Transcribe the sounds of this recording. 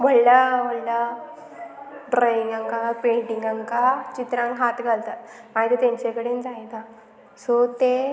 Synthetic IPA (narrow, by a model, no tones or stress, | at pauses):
boɽlaboɽla | ɖɾajiŋɡaŋkapeɳʈiŋɡaŋkat͡ɕit̪ɾãŋkɦat̪ɡʱalt̪at̪maɦit̪et̪aɲt͡ɕekəɽend͡zajt̪a | sɔt̪e